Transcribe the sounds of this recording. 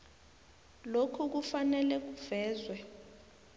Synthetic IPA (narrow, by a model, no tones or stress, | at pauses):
lokʰuk̬ufanɛlɛk̬uvɛːzwɛ